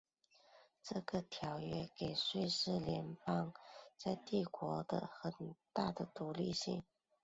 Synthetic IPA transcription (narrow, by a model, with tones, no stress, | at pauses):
ʈ͡ʂɤ˥˩ɡə˩t̪ʰjɑ˧˥ʊɥɛ˥˩ke˨˩ɪʂwe˥˧ɪʂɻ̩˥˩ljɛ˧˥npɑ˥˧ŋt͡sa˥˧ɪt̪i˥˩kwɔ˧˥d̪ə̰˧xə˨˩nt̪a˥˩d̪ə˩t̪u˧˥lḭ˥˧ɕḭ˥˩ŋ